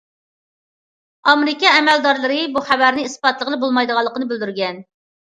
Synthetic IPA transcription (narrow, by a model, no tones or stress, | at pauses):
ɑmɾɪkʲɛɛmɛld̪ɑɾlˠɨɾɨbuχæbæɾnɪispɑt̪lˠəʁəlˠɨbolˠmɑjd̪əʁɑlˠːəqənɨbɪld̪yɾɡʲɛn